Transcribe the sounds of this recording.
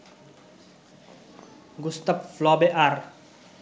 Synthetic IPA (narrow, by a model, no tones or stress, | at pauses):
ɡust̪əp̚flɔbeʔar